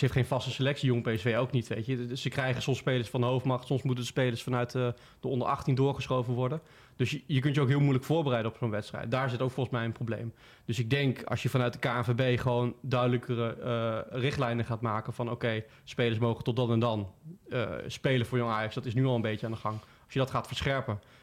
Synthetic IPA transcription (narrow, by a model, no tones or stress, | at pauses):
sɦejftχejnv̥ɑstəsəlɛktsioŋəmpejɛsfejowknitʋejtjəsəkrɛjχənsɔmspejləɹsfɑndəɦowftmɑχtsɔmsmutəndəspejləɹsfɑnœɥt | d̥əɔndəɹʔɑ̰χtindʊːɹχəsχowvənʋɔɹdən | d̥ɵsjək̬ɵntjəowkɦɪːlˠmujləkfʊːɹbərɛjdənɔpsonʋɛtstrɛ̰jt̚daːɹɪsɪtowkfɔlˠχən̩smɛjə̃nprowblḛjm | dɵsɪɡ̚dɛŋkɑ̰lˠsjəvɑnœɥt̚dəkaːɛnvebejχəʋowndœɥdələkərə | rɪχtlɛjnəχaːtmaːkənvɑno̰wkej | spejləɹsmowχəntɔt̚dɑnɛndɑnə̰spejləvʊːɹjɔŋaːjɑksd̥ɑtɪsnyɑlˠəmbejcəaːndəχɑŋ | ɑsjədɑtχaːtfəɹsχɛɹpən